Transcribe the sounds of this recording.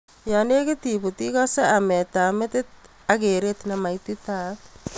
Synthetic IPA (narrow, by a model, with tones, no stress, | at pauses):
jane˦kɪ˦tibu˨ti˦kɔse˦amɛ˨tamɪ˦tɪ˦t̚ | ake˨ɾetnama˨itita˨t